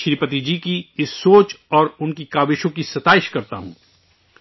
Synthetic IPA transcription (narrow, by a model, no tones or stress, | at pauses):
ʃɾipət̪̬id͡ʒikiɪsːoːt͡ʃɔːɾʊnkikaːbɪʃõkisɐt̪aːɪʃkɐɾt̪a̰ɦṵ̃ː